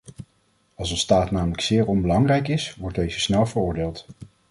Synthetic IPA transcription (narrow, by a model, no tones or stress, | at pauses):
ɑlˠsənstaːtnaːmələksɪːɹɔnbəlɑŋrɛjkɪsʋɔɹd̚ejzəsnɛlˠvərʊːɹdeːlˠt